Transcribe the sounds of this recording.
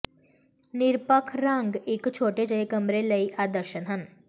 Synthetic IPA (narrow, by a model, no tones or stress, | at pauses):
nɪɾpəkʰɾãŋɡɪkt͡ʃʰoːʈed͡ʒəekɐmɾeləiʔad̪əɾʃənɦən